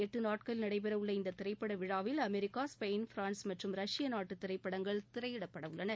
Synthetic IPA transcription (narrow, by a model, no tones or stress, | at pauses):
ɛʈːɯnaːʈkɐɭnɐɽɐɪpɐɾɐʋɯɭːɐɪnd̪ɐt̪ɪɾɐɪpːɐɽɐʋɪɻaːʋɪlɐmɛɾɪkːaːspɐɪnfɾaːnsmɐʈrɯmɾɐʂɪjɐnaːʈːɯt̪ːɪɾɐɪpːɐɽɐŋɡɐɭt̪ɪɾɐɪjɪɽɐpːɐɽɐʋɯɭːɐnɐ